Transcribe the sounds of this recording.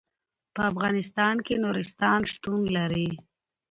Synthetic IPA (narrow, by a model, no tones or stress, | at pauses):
pəafɣɑnɪst̪ɑnkenoɾɪst̪ɑnʂt̪unlaɾi